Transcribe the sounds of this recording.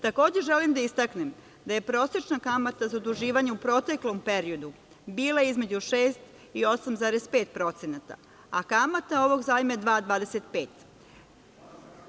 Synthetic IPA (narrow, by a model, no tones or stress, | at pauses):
t̪ako̞ːd͡ʑeʒelimd̪aist̪aknem | d̪aje̞pɾo̞ːse̞t͡ʃnakamat̪azaod̪uʒiːʋaɲeupɾo̞t̪eklo̞mpe̞ɾio̞d̪u | biːlˠajeizme̞d͡ʑuʃeːst̪ | io̞samzaːɾespe̞ːt̪̚pɾo̞t̪senat̪a̰ | akamat̪ao̞ʋo̞ɡzaːjmaed̪ʋaːd̪ʋaːd̪eset̪̚peːt̪